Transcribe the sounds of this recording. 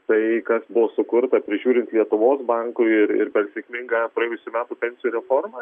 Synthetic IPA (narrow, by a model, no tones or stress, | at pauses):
t̪ɐɪkɐsbʊʋoːsʊkʊɾt̪ɐpʲɾʲɪʒʲuːɾʲɪnt̪lʲiɛt̪ʊʋoːsbɐŋkʊɪɪɾɪ̰ɾpʲɛrsʲɛkʲmʲɪŋɡɐpɾɐejʊsʲuːmʲæːt̪uːpʲɛnʲsʲɪjuɾʲɛformɐ